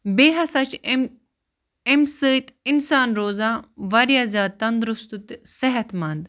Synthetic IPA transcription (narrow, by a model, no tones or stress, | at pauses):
beːɦɐsɐt͡ʃʰ | emsəːit̪ɪnsaːnɾoːzãːʋɐɾjaːzʲjaːd̪̚t̪ɐnd̪ɾʊst̪ut̪sɛɦɐt̪mɐ̃nd̪